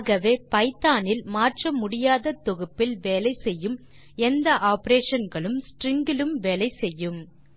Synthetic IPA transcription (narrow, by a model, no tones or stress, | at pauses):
ɣɐʋeːpɐɪt̪ːaːnɪlmaːʈrɐmʊɽɪjaːðɐt̪ːɔɣɯpːɪlʋeːlɐɪsɛjːɯm | ɛnd̪ɐʔaːpɾeːʂɐnɡɐɭɯmsʈrɪŋɡɪlɯmʋeːlɐɪsɛjːɯm